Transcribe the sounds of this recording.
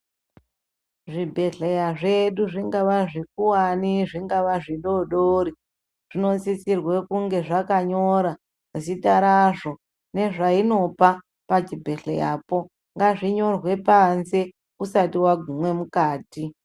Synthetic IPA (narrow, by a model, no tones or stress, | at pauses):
ʐibʱe̞ɬejaʐeɗuʐiŋɡaʋaʐik̚uwaniʐiŋɡaʋaʐiɗo̞ɗoːɾi | ʐ̥ino̞t͡sit͡sirwe̞kuŋɡe̞ʐakaɲo̞ɾa | ʐisitaɾaʐo̞ | ne̞ʐaino̞pa | pat͡ʃibʱe̞ɬḛja̰ːpo̞ | ŋɡaʐiɲo̞rwe̞panse̞ | usatiwaɡʱumwe̞mukaːti